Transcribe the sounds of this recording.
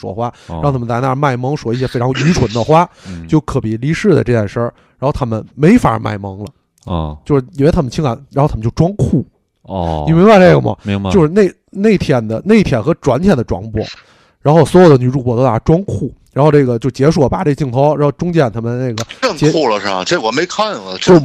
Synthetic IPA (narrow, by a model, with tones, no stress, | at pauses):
ʂwɔ̰˨˩xwa˥ɑ˥˩ŋt̪ʰa˥mə˨t̪a˧˩˥na˥˧˩ma˥˩ɪmɑ˥ŋʂwɔ˨˩i˥˩ɕjɛ˥fe˥ɪʈ͡ʂʰɑ˧˥ŋy˧˥ʈ͡ʂʰwə˧˥nd̪ə˧xwa˥t͡ɕjo˥˩ʊkʰɤ˨˧˩pi˨˩li˧˥ʂɻ̩˥˩d̪ə̰˩ʈ͡ʂɤ˥˧˩jɛ˥˩nʂə˞˥˩ | ɻa˧˥nxt̪ʰa˥mə˨nme˧˥ɪfa̰˨˩˧ma̰˥˩ɪmɑ˧˥ŋlə˨˧ | t͡ɕjo˥˧ʊʂɻ̩˥i˨˩we˥˧ɪt̪ʰa˥mə˨nt͡ɕʰi˥ŋka˧˥nɻxo˥˩t̪ʰm˧t͡ɕjʊ˧ʈ͡ʂwɑ˥ŋkʰu˥˩ | i˨˩me˧˥ba˥˧ʈ͡ʂe˥˩ɪɡə˩mə̰˨˩m˧o˥˧ʊʂɻ̩˧ne˥˩ɪ | ne˥˩ɪp̪ʰjɛ˥˩nd̪ə˨ne˥˧ɪ˥t̪ʰjɛ˥˩nxɤ˧˥ʈ͡ʂwa˧˥nt̪ʰjɛ˥˩nd̪ə˩ʈ͡ʂwɑ̰˧˥ŋpwɔ̰˧˥˦ | ɻa˧˥nxo˥˩ʊswɔ˧˥jʊd̪ə˦ny˨˩ʈ͡ʂu˥˧pwɔ˥˩t̪o˥ʊa˥˩ʈ͡ʂwɑ˥ŋkʰu˥˩ɻa˧˥nxo˥˧ʊʈ͡ʂɤ˥˩ɡə˩t͡ɕjo˥˧˩ʊt͡ɕjɛ˧˥ʂwɔ˨˩pa̰˨˧˩ʈ͡ʂe˥˩ɡət͡ɕi˥˩ŋt̪ʰo˧˥ʊɻa˧˥nxo˥˧˩ʊʈ͡ʂʊ˥ŋt͡ɕjɛ˥˩nt̪ʰa˥mə˨n˦ne˥˩ɪɡə˩ə˥˧ŋt͡ɕkʰu˥˩lə˩ʂ̩˥˩ɐ̰˨˩ʈ͡ʂwɔ˨˩me˧˥ɪkʰa˥˩nlə˨˩˥